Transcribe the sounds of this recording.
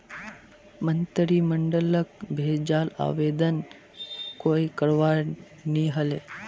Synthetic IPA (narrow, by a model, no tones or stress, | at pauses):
mənt̪əɾiːməɳɖələk̚bʱed͡ʒaːla̰ːʋeːd̪ən | koːikəɾʋa | niɦəle